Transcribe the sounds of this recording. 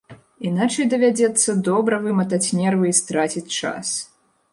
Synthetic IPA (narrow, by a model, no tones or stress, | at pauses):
inat͡ʂɐjd̪ɐvʲad͡zʲɛt̪sːɐd̪ɔbɾɐvɨmɐt̪at͡sʲnʲɛrvɨist̪ɾat͡sʲit͡sʲt͡ʂa̰s